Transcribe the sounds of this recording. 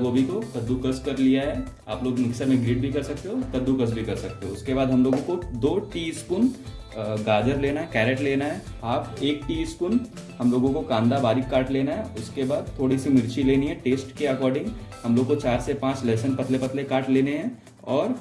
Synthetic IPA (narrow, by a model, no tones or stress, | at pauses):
ɡobʱikok̪ɐd̪ːukɐskɐɾlijaɦɛː | a̰ːploːɡmɪksəɾmẽɡɾiːɖ̚bʱikɐɾsɐk̚t̪eɦoːt̪ɐd̪ːukɐs̬bʱikɐɾsɐk̚t̪eɦõʊskebaːd̪ʱɦɐmloːɡõkod̪oːʈiskuːn | ɡaːd͡ʒəɾleːnaɦɛkɛːɾeʈleːnaɦɛːaːpeːk̚ʈiːskuːn | ɦɐmloːɡõkokãːnd̪abaːɾɪkːaːɾʈleːnaɦɛʊskebaːd̪̚t̪ʰːoːɽisimɪɾt͡ʃileːniɦɛ̃ʈeːsʈkeɐkɔːɾɖɪ̃ŋɡhɐmloːɡkot͡ʃaːɾsepãːt͡ʃlɛːsənpɐt̪lepɐt̪lekaːʈleːneɦɛ̃ː | ɔːɾ